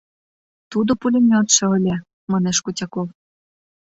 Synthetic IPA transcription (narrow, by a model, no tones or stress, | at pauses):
t̪ud̪opulʲemʲot̪ʃĕɤ̆lʲĕ | mɑneʃkutʲɑkov